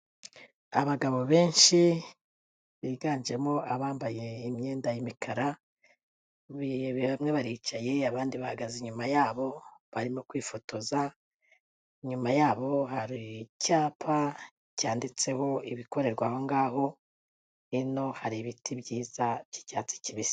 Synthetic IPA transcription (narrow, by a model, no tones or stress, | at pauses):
a̰βaɡaβo̞βe̞ːnʃi | βiːɡaːnd͡ʒe̞mo̞ʔaβaːmbaje̞imɲe̞ːndajimikʰaɾa | βijeβeβamŋe̞βaɾit͡ʃaje̞aβaːndiβahaɡaziɲumajaːβo̞βaɾimokwiːfotoza | iɲumajaːβo̞haɾicaːpʰa | caːndit͡se̞ho̞iβiko̞ɾe̞ɾɡwaho̞ŋɡaːɦo̞ | ino̞haɾiβitʰibɟiːzaji̥caːt͡si̥ciβisi̥